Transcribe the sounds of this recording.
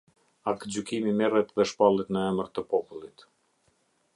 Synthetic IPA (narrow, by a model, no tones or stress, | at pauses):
akd͡ʑykimimɛrɛt̪ðɛʃpalˠit̪nəɛməɾt̪əpɔpulˠit̪